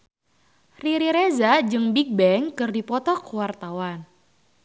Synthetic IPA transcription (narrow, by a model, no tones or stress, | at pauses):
riɾiɾezad͡ʒɨŋbik̚bɛŋkɨrdipɔt̪ɔkuwart̪awan